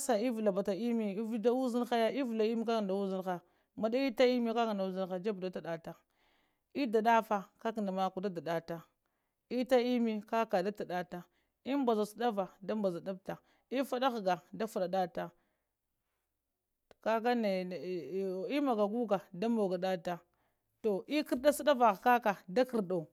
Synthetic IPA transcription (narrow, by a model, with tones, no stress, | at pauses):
sa˨i˦vu˨la˨ba˨ta˨i˦mi˦da˦u˦zi˦n˦xa˦ja˦i˦vu˨la˨i˦mi˦ka˦ɡa˨da˨u˦zi˦nxa˨ | ma˨da˦i˦ta˦i˦mi˦ka˦ɡa˨nda˨u˦zi˦nxa˨d͡ʒa˦bda˦ta˨da˨ta˨ | i˦da˨ɗa˦fa˨ka˦kna˨ma˨ku˨da˦da˨da˨ta˨ | i˦ta˦i˦mi˦ka˦ka˨da˦ta˨ɗa˨ta˨ | i˦mba˨za˨si˦da˦va˨da˦mba˨za˨da˦b̚ta˨ | i˦fa˦da˦ɣɡa˨da˦fu˨ɗa˨da˦ta˨ | ka˦ka˦ne˨i˦ma˨ɡa˨ɡu˦ɡa˨da˦mbo˨ɡa˨da˦ta˨ | to˨ʔi˦ki˦ɾda˦si˦da˦va˨ɣka˦ka˨da˦ki˨ɾda˨